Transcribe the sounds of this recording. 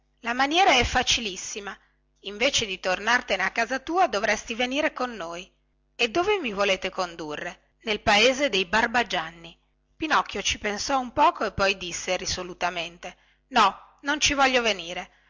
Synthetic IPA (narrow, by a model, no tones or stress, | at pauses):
lamanjɛːɾaɛfːat͡ʃilisːima | iɱveːt͡ʃed̪it̪ornart̪eneakːaːzat̪uːad̪ovɾɛst̪iveniːɾekonːoːj | ed̪ːoːvemivoleːt̪ekond̪urːe | nelpaeːzed̪ejbarbad͡ʒanːi | pinɔk̟ːjot͡ʃipensɔumpɔːkoepːɔjd̪isːerisolut̪ament̪e | nɔ | nont͡ʃivɔʎːoveniːɾe